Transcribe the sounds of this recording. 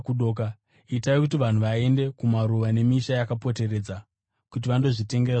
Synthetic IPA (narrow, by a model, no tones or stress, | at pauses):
kuɗoka | itaekutiʋan̤uʋae̞nde̞kumaɾuʋane̞miʃajakapo̞te̞re̞ːd͡za | kut̬iʋando̞ʐite̞ŋɡeɾa